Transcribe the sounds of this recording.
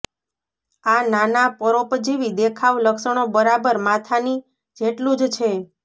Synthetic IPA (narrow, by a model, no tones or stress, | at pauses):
ananapəɾopd͡ʒiʋid̪ekʰaʋləkʃəɳ̃obəɾabəɾmat̪ʰani | d͡ʒeʈlũd͡ʒt͡ʃʰe